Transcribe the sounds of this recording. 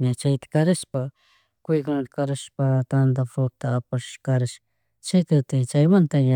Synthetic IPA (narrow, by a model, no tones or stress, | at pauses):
ɲat͡ʃajt̪ḁkaɾɪʃpa | kʊjkʊnat̪ḁkaɾɪʃpat̪and̪afoɾ̚t̪aːpaʃkaɾaʃ | t͡ʃat̪at̪ɪt͡ʃajmant̪aɲa